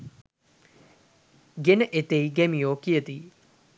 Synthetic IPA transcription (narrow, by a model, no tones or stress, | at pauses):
ɡenəʔet̪ejiɡemijoːkijət̪i